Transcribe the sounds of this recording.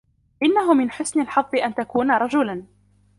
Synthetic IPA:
ʔɪnːaɦʊmɪnħʊsnɪlħɑðˤːɨʔant̪akuːnaɾˤɑd͡ʒʊlan

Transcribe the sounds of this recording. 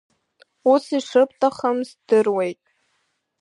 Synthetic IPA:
usiʂɨp̚ʰʼtʰʼaχəmzd̥ɨrwe̞jtʼ

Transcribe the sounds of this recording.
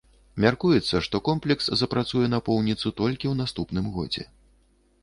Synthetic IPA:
mʲarkujɛt̪sːɐʂt̪ɔkɔmplʲɛkszɐpɾat̪sujɛnɐpɔwnʲit̪sut̪ɔlʲkʲiwnast̪upnɨmɣɔd͡zʲɛ̰

